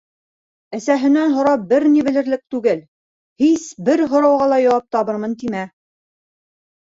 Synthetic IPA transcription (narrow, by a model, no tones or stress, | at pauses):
ɘ̆sæɦɘ̆nænɦŏɾɑbɘɾniβɘ̆lɘ̆ɾlɘk̚t̪ʉɡɘl | hisbɘɾɦŏɾɑwʁɑlˠɑjɑwɑp̚t̪ɑβɤɾmɤnt̪imæ